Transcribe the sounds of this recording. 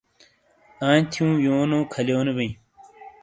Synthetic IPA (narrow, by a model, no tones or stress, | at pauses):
ãːnt̪ʰijũːjoːnoːkʰɐljoːnebeĩ